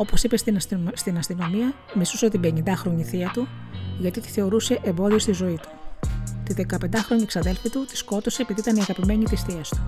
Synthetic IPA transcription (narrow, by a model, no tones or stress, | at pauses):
o̞po̞sipesst̪inɐst̪ino̞miɐ | misusɐt̪ibeɲind̪ɐxɾo̞ɲiθiɐt̪u | ʝɐt̪it̪i̥θe̞o̞ɾuse̞ʔembo̞ðio̞st̪izo̞it̪u̥t̪iðe̞kɐpend̪ɐxɾo̞ɲiksɐðe̞lfit̪ut̪i̥sko̞t̪o̞se̞piðit̪ɐniɐɣɐpime̞ɲit̪isθiɐst̪u̥